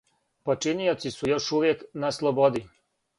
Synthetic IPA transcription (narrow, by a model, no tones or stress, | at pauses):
po̞t͡ʃiniot̪sisujo̞ʃuʋjeknaslˠobo̞d̪i